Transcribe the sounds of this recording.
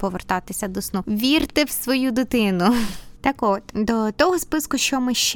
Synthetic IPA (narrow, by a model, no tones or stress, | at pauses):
pɔʋert̪ɑt̪ɪsʲɐd̪ɔsnuʋʲirt̪ɪwsʋɔjud̪ɪt̪ɪnʊt̪ɑkɔt̪d̪ɔt̪ɔɦɔspɪskʊʃt͡ʃɔmɪʃt͡ʃ